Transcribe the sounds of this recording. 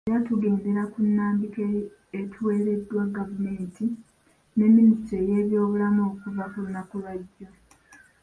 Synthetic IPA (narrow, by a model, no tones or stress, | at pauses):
ejatuɡe̞ːnde̞ɾakunːaːmbikeː | tʰuweːɾe̞dːwaɡavume̞ːnti | ne̞mːinistɾe̞je̞ːβjo̞ːβulamoːkuvakulunːakulwaɟːo